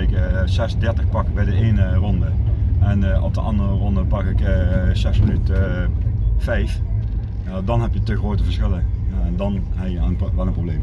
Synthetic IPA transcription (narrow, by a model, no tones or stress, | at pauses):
ɪkzɛsdɛɹtəxpɑkbɛjdəʔejnərɔndəɛnʔɔ̰p̚dəʔɑ̰ndərərɔndəpɑkɪkzɛsmənyt | fɛjf | dɑnɦɛpjətəxroːtəvəɹsχɪlədɑnɛjəənʋɛlənproblejm